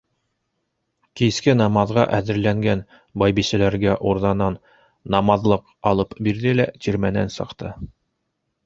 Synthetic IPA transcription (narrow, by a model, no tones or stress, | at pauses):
kiskɘnɑmɑðʁɑʔæðɘ̆ɾlæŋɡæn | bɑjbisɘlæɾɡæʔuɾðɑnɑnː | ɑmɑðlˠɤq | ɑlˠɤpbiɾðɘlæt̪iɾmænæ̰nsɤ̆qt̪ɤ